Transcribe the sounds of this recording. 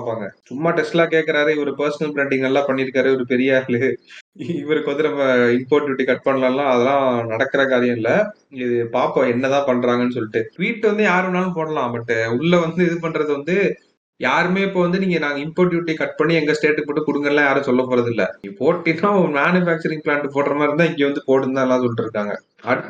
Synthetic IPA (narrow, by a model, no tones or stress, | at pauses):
paːpːaːŋɡɐsʊmːaːʈɛsʈɪlaːkeːkːɐɾaːɾɯɔɾɯpɐɾsɐnɐlpɾeːɳɖɪŋɡɐlːãːpɐɳːɪɾɯkːaːɾɯɔɾɯpɛɾɪjaːɪlɯ | ɪʋɐɾɯkɔðɪɾɐmɪmpoːʈjuːʈːikɐʈ̚pɐɳːɐlɐlːãːɐðɐlãːnɐɽɐkːɐɾɐkaːɾɪjɐ̃mɪlːɐ | ɪðɯpaːpõɛnːɐt̪ãːpɐɳːɾaːŋɡɐnːɯs̬ɔlːɪʈːɯʋiːʈːɯʋɐnd̪ɯjaːɾɯnaːlɯ̃p̬oːɽɐlãːmɐʈːɯʊɭːɐʋɐnd̪ɯɪðɯp̬ɐɳːɾɐðɯʋɐnd̪ɯ | jaːɾɯmeːɪpːoːʋɐnd̪ɯniːŋɡɐnaːŋɡɐɪmpoːʈ̬juːʈːikɐʈ̚pɐɳːiɛŋɡɐsʈeːʈːɯpoːʈːɯkʊɽɯŋɡɐɾlãːjaːɾɯ̃sɔlːɐpːoːɾɐðɪlːɐ̰poːʈːɪnõmaːnɯfaːk̚t͡ʃɐɾɪ̃ŋɡpɭaːɳʈɯpoːʈːɾɐmãːɪɾɯnd̪ãːɪŋɡeːʋɐnd̪ɯpoːɽɯnd̪aːɐlːãːsɔlːɪʈːɪɾɯkːaːŋɡɐ̰ | ɐɽɯ